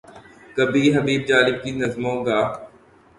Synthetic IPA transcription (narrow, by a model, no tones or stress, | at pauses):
kɐbʱiːɦɐbiːbd͡ʒaːlɪb̚kinɐzmõɡaː